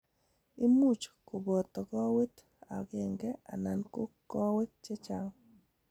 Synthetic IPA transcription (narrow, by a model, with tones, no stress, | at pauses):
i˦mu˦˨t͡ʃko˨bɔ˨t̪ɔ˨kɔ˦we˦t | a̰˨ɡe˨ŋɡɛ˦a̰˨na˨nko˦kɔ˦we˦t̚t͡ʃe˦t͡ʃa˦ŋ